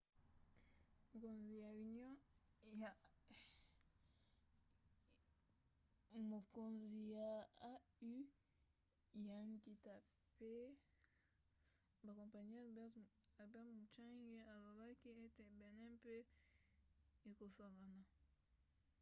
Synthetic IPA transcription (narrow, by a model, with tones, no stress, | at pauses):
mo˨ko˨nzi˨ja˨i˨njɔ̃˦j | mo˨ko˨nzi˨ja˨a˦y˦ | ja˨nti˨ta˨ | pe˦ | ba˨kõ˨mpa˨ɲi˦˨a˨ba˦mu˨t͡ʃa˦ŋɡe˦a˨lo˨ba˦ki˦e˦te˨bɛ˨nɛ˦pe˦ | e˨ko˨so˨la˨na˨